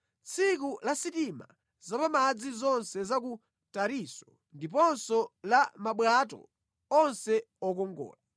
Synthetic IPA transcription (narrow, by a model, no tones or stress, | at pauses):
t͡sʰik̬ulasitima̰ | zapamad͡zizɔnsɛzak̬u | taɾisɔ̥ | ndip̬ɔnsɔlamaɓwatɔ̰ | ɔnsɛ | ɔk̬ɔŋɡɔ̰ːla